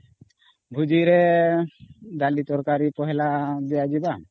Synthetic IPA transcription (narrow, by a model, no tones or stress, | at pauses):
bʱud͡ʒiɾɛ | d̪alit̪ɔɾkaɾipɔɦɛlad̪ɛjad͡ʒiba